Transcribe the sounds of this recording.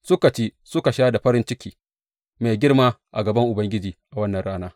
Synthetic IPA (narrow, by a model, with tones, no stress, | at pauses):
sʊ˦ka˨t͡ʃeː˦sʊ˦ka˨ʃaː˦da˨ɸɐ˦ɾɪ˦nt͡ʃɪ˦kʲiː˦ | ma˨jɡʲɪ˦rmaː˦ʔa̰˨ɡɐ˨bɐ˦ŋʔʊ˨bɐ˦ŋɡʲɪ˦d͡ʒiː˨ʔa˨wɐ˦nːɐ˨ɽaː˦naː˦